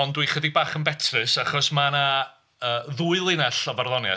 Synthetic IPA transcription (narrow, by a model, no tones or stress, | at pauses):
ɔndwiχədibaːχənbɛtʰrɨsaχɔsmana | əːðuːɨlˠɪnaɬɔvarðɔnja̰